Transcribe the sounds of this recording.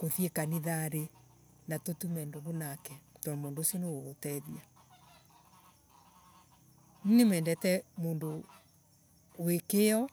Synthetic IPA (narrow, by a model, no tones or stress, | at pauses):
koðiekaniðaɾe | natotumɛndoβonakɛtɔnmoːndosiɔnewotɛðia | ninemɛːndɛtɛmoːndo | wekeɔ